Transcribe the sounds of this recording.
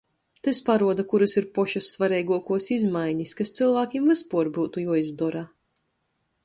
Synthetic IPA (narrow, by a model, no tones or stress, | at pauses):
t̪ɨspaɾuɔd̪akuɾusiɾpɔʃasːvaɾɛjɡuɔkuɔsizmajɲiskast̪silˠvaːkʲiːmvɨspuɔɾbuːt̪ujuɔizd̪ɔɾa